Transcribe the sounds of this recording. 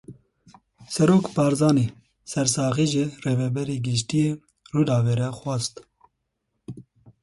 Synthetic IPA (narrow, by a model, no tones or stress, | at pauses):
sɛɾoːkpɑːɾzɑːne | sɛɾsɑːɣiːʒɪreːvɛbɛɾiːɡɪʃ̬t̪ijeː | ruːd̪ɑːveːɾɛxwɑst̪